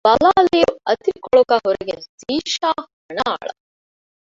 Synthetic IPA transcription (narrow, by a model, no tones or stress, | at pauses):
b̥ɐlaːlijuɐt̪ɾikɔɭukɐɦuɾeɡesiːʃaːhɐɳaa̰ɭɐ